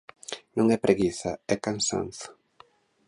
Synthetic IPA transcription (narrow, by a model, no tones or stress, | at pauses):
nõŋɛpɾeɣiθaɛkansa̰nθ